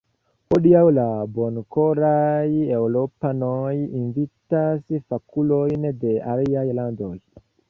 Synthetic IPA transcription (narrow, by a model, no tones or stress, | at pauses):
ʔoɗiawlabonkoɾajewlopanojinvitasfakulojndeaɾijajlandoj